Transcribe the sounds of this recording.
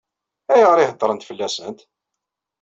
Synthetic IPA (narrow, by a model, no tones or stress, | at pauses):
æjəʁɾˤɪhət̪ːˤɾˤənt̪fəlːæsənt̪